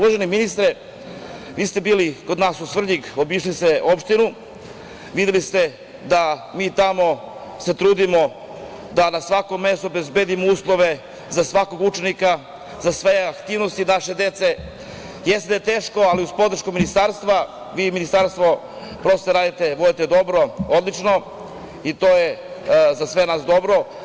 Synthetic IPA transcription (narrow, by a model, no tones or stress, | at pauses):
uʋaʒeniminist̪ɾe | ʋiːst̪e̞biːliko̞d̪naːsusvr̩ʎikobiʃliseʔo̞pʃt̪inu | ʋid̪elist̪e | d̪amiːt̪amo̞ | se̞t̪ɾuːd̪imo̞ | d̪anasʋako̞mːe̞st̪obe̞zbed̪imouːslˠo̞ʋe | zasʋako̞ɡut͡ʃe̞nika | zasʋeakt̪iːʋnost̪inaʃe̞d̪e̞t̪se̞ | jest̪ed̪ajet̪e̞ːʃko̞aliuspo̞d̪ɾ̩ʃkuminist̪aɾst̪ʋa | ʋiːminist̪aɾst̪ʋo̞ | pɾost̪eɾaːd̪it̪eʋodit̪ed̪o̞bɾo̞od̪lˠit͡ʃno̞ | it̪o̞jezasʋe̞naːsd̪o̞bɾo̞